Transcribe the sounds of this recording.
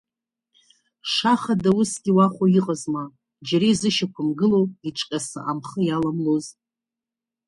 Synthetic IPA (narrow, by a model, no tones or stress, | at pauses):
ʂaχadawusɡʲiwaχʷoiqʼazma | d͡ʒaɾezɨʃakʷʰamɡɨlowiʈ͡ʂʷʼkʲʼasa̰ʔamχəjalamloz